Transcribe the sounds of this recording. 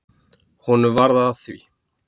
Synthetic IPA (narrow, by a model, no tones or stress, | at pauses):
hɔnʏvaɾðaːðθvḭ